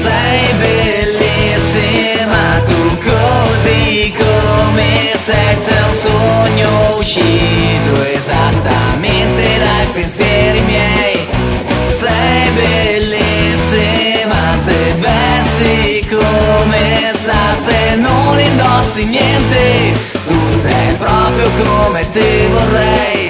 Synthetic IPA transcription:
sɛ | jbe | lːisi | mak̪ukozikome | sɛsɛwsoɲːouʃid̪ʊezat̪ːa̰ment̪ed̪ajpensjɛɾimjɛj | sɛjbelːisimasevɛsikoomesasenːonind̪ɔsinjɛnt̪e | t̪usɛ̰jpɾɔpɾjokomet̪ɪvorːɛj

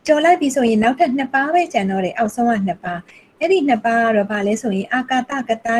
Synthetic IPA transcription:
t͡ɕɔlaɪpːisʰojɪ̃naʊʔtʰɛʔn̥əpabɛt͡ɕãnd̪ɔdɛʔaʊʔsʰõʊ̃ʔã̰n̥əpːa | ʔɛɾin̥əpːaa̰dɔbalɛsʰojɪ̃ʔaka̰t̪a̰kət̪a

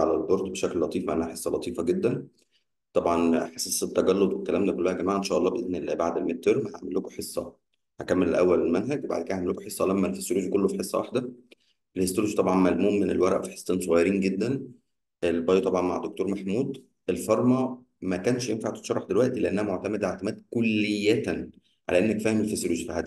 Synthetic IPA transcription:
ʕalælboɾˤt̪ˤbeʃækllɑt̪ˤiːfmæʔænːæhæħesˤːɑlɑt̪ˤiːfɑɡed̪ːæn | t̪ˤɑbʕɑnħe̥sˤiːsˤet̪ːæɡælːod̪wekːælæːmnækolːæhæɡæmaːʕaʔenʃæːʔɑlˤːɑːbeʔenːelbaʕd̪elmet̪ːeɾmæha̰ʕmelːokoħesˤːɑ̰ | hækæmːelelʔæwːælelmænɦæɡbaʕd̪ked̪æʕmeloko̥ħesˤːɑlæmːælfesːoluːd͡ʒkolːofiħesˤːɑ̰waħd̪æ | elhest̪ɾuʒt̪ˤɑbʕɑnmælmuːmmenelwæɾˤæʔfi̥ħe̥sˤːeːnsˤoɣɑjɑɾiːnɡed̪ːæn | ʔelbɑːjt̪ˤɑbʕɑnmaʕd̪ːok̚t̪oːɾmæħmuːd̪ | ʔelfɑɾˤmɑ | mækæːnʃjemfaʕt̪et̪ʃɑɾˤɑħd̪elwæʔt̪ileʔænːæhæmoʕt̪æmæd̪ʔeʕt̪emæːd̪̚kolːejːæn | ʕa̰læʔenːækfæhemelfesɾuːd͡ʒfiʕæd̪

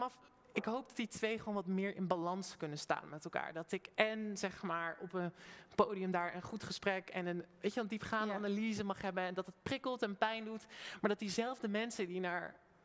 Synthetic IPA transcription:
nɑf | ɪkɦowp̚dɑt̚ditʋejχəʋownʋɑtmɪːɹʔɪ̰nbalɑnskɵnənsta̰ːnmɛtɛlˠka̰ːɹdɑtɪkɛnz̥ɛχmaːɹɔpənpowdiəmdaːɹʔənχutχəsprɛkɛnənʋejtəʋɛldipχaːndəanalizəmɑχɦɛbənɛndɑtɦət̚prɪkəlˠtɛnpɛjndutmaːɹdɑt̚dizɛlˠvdəmɛnsədinaːɹ

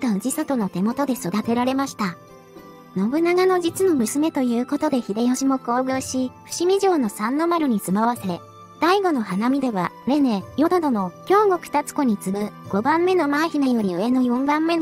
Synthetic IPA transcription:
t̪aɯ̟ʑisat̪o̞no̞t̪e̞mo̞t̪o̞d̪e̞so̞d̪at̪e̞ɾaɾe̞maɕi̥t̪a | no̞bɯ̟naɡano̞d͡ʑit͡sɨno̞mɯ̟sɨme̞t̪o̞jɯ̟ːko̞t̪o̞d̪e̞çid̪ejoɕimo̞ko̞ːɡɯ̟ɕiɸɯ̟̥ɕimʲiʑo̞ːno̞sãnːo̞maɾɯ̟ɲ̟it͡sɨmaβase | d̪̥aiɡo̞noɦanamʲid̪e̞βa | ɾe̞ne̞jo̞d̪od̪o̞no̞kʲo̞ːŋɡo̞kɯ̟̥t̪at͡sɨ̥ko̞ɲ̟it͡sɨbɯ̟ɡ̥o̞bãmːe̞no̞maẽçʲinajo̞ɾʲiɯ̟e̞no̞jõ̞mbãmːe̞

